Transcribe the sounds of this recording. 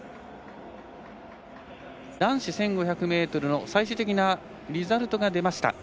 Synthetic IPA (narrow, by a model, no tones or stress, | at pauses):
d̪̥ãɰ̃ɕisẽ̞ŋɡo̞çʲakɯ̟me̞ːt̪o̞ɾɯ̟no̞saiɕ̬ɨt̪e̞kʲina | ɾʲizaɾɯ̟t̪o̞ɡad̪e̞maɕi̥t̪a̰